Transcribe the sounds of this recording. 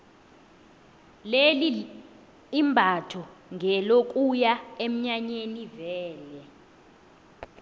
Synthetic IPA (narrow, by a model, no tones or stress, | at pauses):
leli | imbʱatʰɔŋʱɛlok̬ʼujaem̩ɲaɲenivɛːlɛ